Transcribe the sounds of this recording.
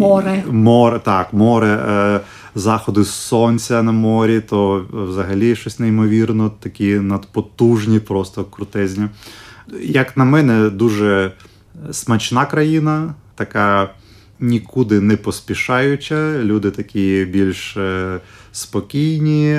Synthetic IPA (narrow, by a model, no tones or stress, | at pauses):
mɔɾɛmɔɾt̪ɑkmɔɾɛ | zɑxɔd̪ʊsɔnʲt͡sʲɐnɐmɔɾʲit̪ɔwzɐɦɐlʲiʃt͡ʃɔsʲnejɪmɔʋʲirnɔt̪ɐkʲinɐd̪pɔt̪uʒnʲipɾɔst̪ɔkɾʊt̪ɛzʲnʲi | jɐknɐmɛnɛd̪uʒɛ | smɐt͡ʃnɑkɾɐjinɐt̪ɐkɑ | nʲikud̪ɪnɛpɔspʲiʃɑjʊt͡ʃʲɐlʲud̪ɪt̪ɐkʲibʲilʲʃ | spɔkʲijnʲi